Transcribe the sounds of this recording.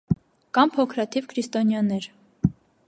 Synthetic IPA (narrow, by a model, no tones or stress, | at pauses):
kɑmpʰɔkʰɾɑt̪ʰivkʰɾist̪ɔnjɑnɛɾ